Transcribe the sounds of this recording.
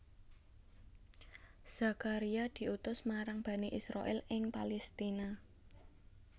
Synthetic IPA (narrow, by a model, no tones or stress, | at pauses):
z̥a̤kaɾiad̪̥i̤ʔut̪ʊsmaɾaŋb̥ä̤neʔisɾa̰ʔɛlɪŋpalɛst̪ina